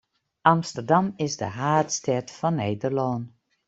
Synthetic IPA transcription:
ʔɑmstərdɑmɪzdəɦaːtstɛtfɔnːeːdərlɔːn

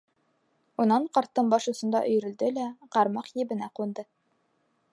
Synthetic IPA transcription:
unɑɴqɑɾt̪ːɤmbɑʃŭsɤ̆nd̪ɑ̰ʔɵ̆jɾɵ̆ld̪ɘlæqɑɾmɑqjɘ̆bɘ̆næqund̪ɤ

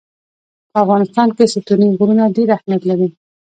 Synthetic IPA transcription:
pəafɣɑnɪst̪ɑnkesɪt̪uniɡuɾunaɖeɾahmjat̪laɾi

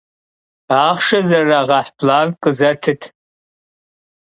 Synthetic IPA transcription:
aːχʂɐzɐraːʁɐħpʰlaːnqʼəzɐtʰɨtʰ

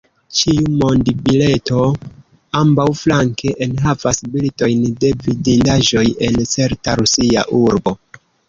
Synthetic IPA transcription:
t͡ʃiumo̞ndbile̞to̞ | ambawflaŋkʰe̞ʔenɦavasbilto̞jnde̞vidindaʒo̞je̞nt͡se̞ɾtaɾusia̰ʔuɾbo̞

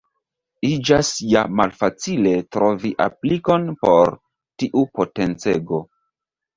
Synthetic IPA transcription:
id͡ʒasjamalfat͡sile̞tɾo̞viʔa̰pliko̞npo̞ɾ | tiʔupo̞te̞nt͡se̞̰ɡo̞

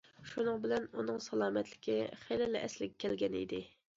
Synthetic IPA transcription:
ʃunɨŋbɪlɛnunɨŋsɑlˠɑːmɛt̪lɪkʲiχelɛlɪʔɛslɪɡʲɛkʲʰɛlɡʲɛnḭd̪ɪ

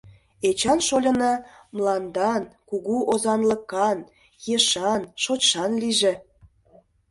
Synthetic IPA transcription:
et͡ɕɑnʃolʲə̆nɑ | mlˠɑnd̪ɑnkuɣuʔozɑnlə̆kɑn | jeʃɑnʃot͡ɕʃɑnliʒe

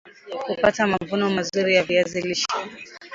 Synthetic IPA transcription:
kupatamavunɔmazuɾijaviaziliʃḁ

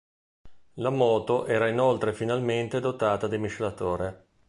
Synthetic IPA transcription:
lamɔːt̪oʔɛːɾainolt̪ɾefinalment̪ed̪ot̪aːt̪ad̪emiʃlat̪oːɾe

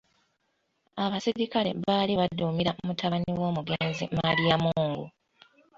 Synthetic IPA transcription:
aβasiɾikale̞̰βaːliβadːumiɾaomutʰaβaniwo̞ːmuɡe̞ːnzimalijamuuːŋɡu

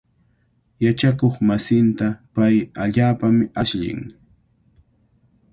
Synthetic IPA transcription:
jat͡ʃakoχmasɪnt̪apajaʎaːpamɪaʃʎɪ̰ŋ

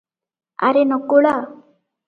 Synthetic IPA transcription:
a̰ɾenɔkoɭa

